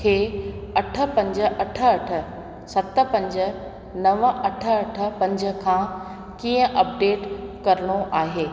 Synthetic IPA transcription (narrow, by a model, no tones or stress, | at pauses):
kʰeːɐʈʰə̆pɐ̃ɲd͡ʑə̆ʔɐʈʰə̆ɐʈʰə̆ | sɐt̪ə̆pɐ̃ɲd͡ʑə | nɐʋəɐʈʰə̆ɐʈʰə̆pɐ̃ɲd͡ʑə̆kʰãː | kiːə̃ʔɐp̚ɖeːʈkɐɾəɽ̃oʔaːɦeː